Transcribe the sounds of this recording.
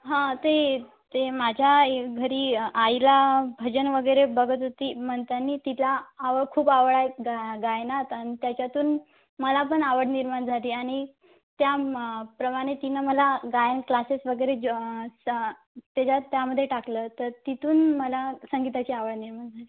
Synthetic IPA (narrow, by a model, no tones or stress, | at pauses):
ɦãt̪e | t̪emad͡ʑʱjaeɡʱəɾiːajlabʱəd͡ʑənʋəɡəjɾebəɡʱət̪ɦot̪iːm̤əɳt̪anːiːt̪ilaːʋəɽkʰuːpaʋɭajɡaɡajnat̪añit̪jat͡ɕjat̪uːn | məlap̬əɳaʋəɽniɾmaɳd͡zʱaliːaɽ̃i | t̪japɾəmaɽ̃et̪inəməlaɡajənklasesʋəɡəjɾe | t̪at͡ɕat̪jaməd̪ʱjeʈakləːt̪əɾt̪it̪uːnməlasəŋɡit̪at͡ɕiːaʋəɽniɾmaɳd͡zʱaliː